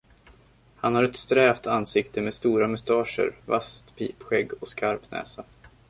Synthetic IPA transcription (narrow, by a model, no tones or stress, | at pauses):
hanhaɾɛt̪st̪ɾɛːvt̪ʰansɪkt̪əmeːd̪st̪uːɾamɵst̪ɑːʂə̰ɾva̰st̪pʰiːpɧɛɡːɔskaɾpnɛ̰ːsa